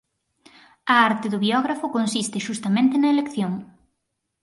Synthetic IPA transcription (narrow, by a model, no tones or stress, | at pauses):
ɐaɾt̪ɪðʊβiɔɣɾafʊkonsist̪ɪʃust̪ɐmẽnt̪ɪnɐelekθjoŋ